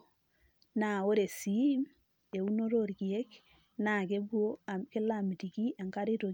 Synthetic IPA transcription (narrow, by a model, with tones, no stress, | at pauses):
na˨wo˦ɾe˨si˨˦m | e˨u˦no˦ɾo˦˨ɾki˨e˦k | na˨ke˦ɡu˦o˦kɪ˦lami˨ti˨ki˦ʔa˨ŋka˦ɾɪ˦to˨